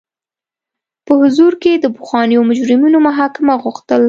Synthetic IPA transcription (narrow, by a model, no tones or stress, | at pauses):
pəhʊzuɾked̪əpʊxɑnijomʊd͡ʒɾɪmunomʊɦɑkɪmaɣʊxt̪əl